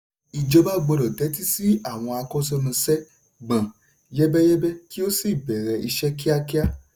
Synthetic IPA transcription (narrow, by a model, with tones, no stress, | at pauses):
i˨d͡ʒɔ˧˦ba˦ɡ͡bɔ˧lɔ˨tɛ˨˦ti˦si˦a˦˨w̃ɔ̃˧a˧kɔ˦sɛ˧mã˧sɛ˦ | ɡ͡bã˨ | jɛ˦bɛ˦jɛ˦bɛ˦ki˦o˦si˦˨bɛ˨ɾɛ˧i˧ʃɛ˦ki˦a˦ki˦a˦